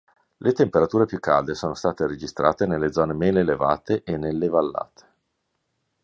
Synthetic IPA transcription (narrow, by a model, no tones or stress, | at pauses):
lʔet̪empeɾat̪uːɾepjukːa̰ld̪esoːnost̪aːt̪eɾed͡ʒist̪ɾa̰ːt̪enelːed̪zɔːnemeːleleva̰ːt̪eʔenelːevalːa̰ːt̪ʰe̥